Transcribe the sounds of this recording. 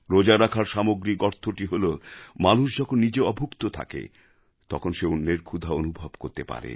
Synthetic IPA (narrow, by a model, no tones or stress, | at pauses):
ɾod͡ʑaɾakʰaɾʃamoɡɾikɔɾt̪ʰːoʈiɦolomanuʃ̬d͡ʑɔkʰonːid͡ʑeɔbʱukt̪ot̪ʰa̰kḛ | t̪ɔ̰kʰonʃeunːeɾkʰud̪ʱaonubʱobkoɾt̪epa̰ɾḛ